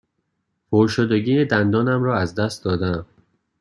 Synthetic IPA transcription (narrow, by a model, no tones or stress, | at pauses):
pʰoɾʃod̪eɟiːed̪ænd̪ɒːnæmɾɒːæzd̪æst̪d̪ɒːd̪æm